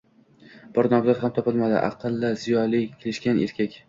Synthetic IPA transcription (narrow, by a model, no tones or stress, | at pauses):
b̥ɒɾnɒmzat̪hamt̪ʰɒpɪlmad̪ɪ̰ʔɑ̰qʰɨlˠːaz̥ijɒlikʲʰelɪʃkʲanʔḛɾkʲʰakʲ